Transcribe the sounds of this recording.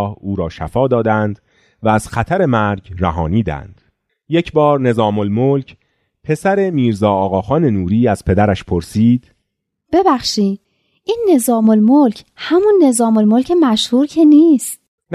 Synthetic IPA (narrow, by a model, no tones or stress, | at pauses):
huːɾɒːʃæfɒːd̪ɒːd̪ænd̪ | væːz̥xæt̪ʰæɾe̞mæɾɟræɦɒ̰ːniːd̪æ̰nd̪̥ | je̞cʰbɒːɾne̞zɒːmolmolcʰ | pʰe̞sæɾe̞miːɾzɒːɒːɣɒːxɒːne̞nuːɾiːæz̥pʰe̞d̪æɾæʃpʰoɾsiːd̪̥ | b̥e̞bæxʃiːd̪̥ | ʔiːnːe̞zɒːmolmolcʰ | hæmunːe̞zɒːmolmolcʰe̞mæʃhuːɾcʰe̞niːst̪ | n